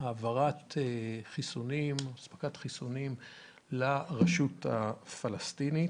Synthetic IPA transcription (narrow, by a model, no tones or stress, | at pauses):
aːvaʁateχisunimasbḁkat̪χisunim | laʁaʃutafalastini